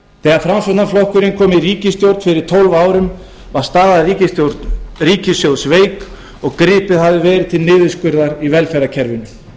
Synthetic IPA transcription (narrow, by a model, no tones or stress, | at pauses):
θɛːɣafɾamsœt̪aflowhkʏɾɪnkʰɔːmɪriːcɪst̪jowɾt̪fɪɾɪɾ̥t̪ʰowlvaːwɾʏm | vaɾ̥st̪aːɾðariːcɪst̪jowɾt̪nriːcɪsjowsveːjk | ɔɣkɾɪːpɪðɦavðɪvɛːɾɪt̪ʰɪlnɪːðɪskʏɾðaɾivɛlfɛɾacʰɛɾvɪnʏ